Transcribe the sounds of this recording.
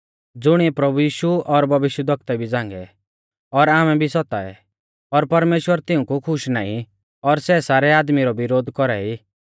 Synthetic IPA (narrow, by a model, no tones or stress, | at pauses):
d͡zʊɽ̃iɛpɾɐbujiːʃuɔɾbʱɐʋɪʃjəd̪ʱək̚t̪ɛbʱid͡zãːŋɡɛ | ɔɾaːmɛbʱisɔt̪a̰ɛ̰ | ɔɾpɐɾmeːʃwəɾt̪ɪũkukʰʊʃnaːḭ̃ | ɔɾsɛsaːɾɛaːd̪miɾɔbɪɾoːd̪kɔɾɛi